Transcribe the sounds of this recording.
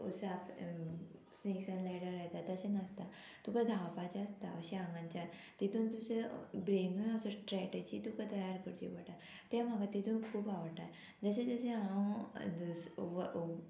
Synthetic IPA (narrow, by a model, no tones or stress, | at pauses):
ṵsap | sneksãnlajɽaɾaɦt̪at̪əɕenəst̪a | t̪ukad̪ʱawpat͡ɕaəst̪a̰əɕiãŋɡãɲt͡ɕjat̪it̪uːnt̪ud͡ʑebɾenunəsɔsʈɾɛʈed͡ʑiːt̪ukat̪əjaɾkəɽt͡ɕḭʋəʈa | t̪ɛm̤aɡat̪it̪ʰuːnkʰuːpaʋəɾʈa | d͡zəɕed͡zəsẽɦãwd̪əsʋ